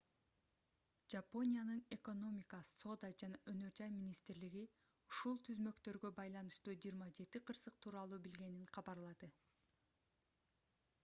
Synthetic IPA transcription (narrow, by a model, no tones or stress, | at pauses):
d͡ʒapo̞nʲijanɯne̞ko̞no̞mʲikɑso̞d̪ad͡ʒɑnɑʔønø̞ɾd͡ʒɑjmʲinʲist̪ɾliɡi | uʃulˠt̪ʰyzmø̞kt̪ø̞ɾɡø̞bɑjlˠɑnɯʃt̪uːd͡ʒiːɾmɑd͡ʒe̞t̪iqʰɯɾsɯq̚t̪ʰuːɾɑlˠuːbilɡe̞niɴqʰɑβɑɾlˠɑd̪ɯ